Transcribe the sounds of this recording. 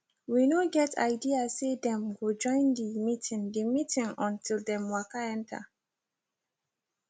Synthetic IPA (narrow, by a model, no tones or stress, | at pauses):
winoɡɛtʰa̰ɪdiasedɛ̃mɡod͡ʒɔ̃ɪ̃ndimitʰĩŋdimitĩŋɔ̃ntʰilˠdɛ̃mwakaɛ̃ntʰa̰